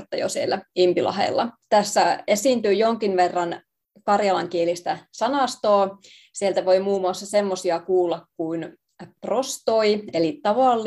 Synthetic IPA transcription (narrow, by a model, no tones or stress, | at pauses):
t̪ːɑ̰jo̰sielːˑæimpilʔɑ̰ɦḛlːɑ̰t̪æsːæesiːnt̪yːjoŋkinʋerːɑn | kɑrjɑlɑŋkielist̪æsɑnɑst̪oː | sielt̪æʋo̞imuːmuɑsːɑsemːosiɑkuːlːɑkkuin | prost̪oielit̪ɑʋɑlː